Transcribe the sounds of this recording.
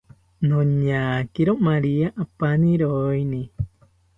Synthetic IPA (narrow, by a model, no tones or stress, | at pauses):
nõɲakiɾomaɾiaʔapanĩɾoinĩ